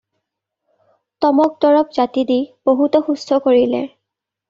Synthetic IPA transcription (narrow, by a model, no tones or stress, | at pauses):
tɔmɔk̚dɔɹɔpz̥atidib̥oɦutɔxustʰɔkoɹilɛ̰